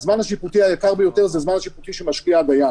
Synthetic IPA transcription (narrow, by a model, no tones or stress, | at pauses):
zmanaʃiput̪iajakaʁbejot̪eʁzazmanaʃiput̪iʃemaʃkiaɡaja